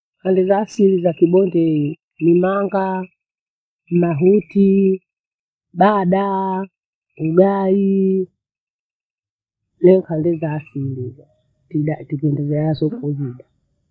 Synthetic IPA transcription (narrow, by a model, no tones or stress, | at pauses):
kandɛzaːsilizakiɓɔndɛi | nimaŋɡa | maɦuti | ɓaɗa | uɡai | lɛŋkandɛzaːsiliza | tiɗatiɡɛndɛzɛasɔkuziɗa